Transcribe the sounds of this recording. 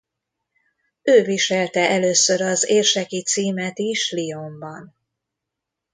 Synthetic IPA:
øːviʃɛlt̪ɛʔɛløːsøɾɒzeːrʃɛkit̪siːmɛt̪iʃlio̞mbɒn

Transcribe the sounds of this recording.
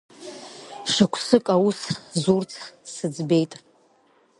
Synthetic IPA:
ʂakʷʰsɨkʼawuszurt͡sʰsɨd͡zbejtʼ

